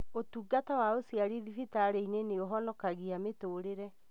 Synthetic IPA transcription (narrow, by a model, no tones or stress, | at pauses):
otuːɡatawaosiaɾiðifitaɾeineneoɦɔnɔkaɣiametoːɾeɾɛ